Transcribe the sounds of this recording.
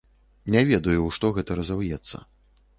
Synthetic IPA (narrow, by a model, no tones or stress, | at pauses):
nʲavʲɛd̪ɐjuʂt̪ɔɣɛt̪ɐɾɐzawjɛt̪sːɐ̰